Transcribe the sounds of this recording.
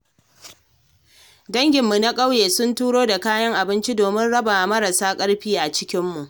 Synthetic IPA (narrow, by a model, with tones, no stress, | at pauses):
dɐ˦ŋɡʲɪ˨mːu˨na˦kʼa˦wjeː˨sʊ˦ntuː˦ɽoː˦da˨kaː˦jɐ˦ŋʔa˨bɪ˦nt͡ʃi˦doː˨mɪ˦nɽɐ˦ba˨mɐ˦ɾa˨saː˦kʼɐ˦ɽɸiː˦ʔa˨t͡ʃɪ˦kʲɪ˦mːu˨ʔ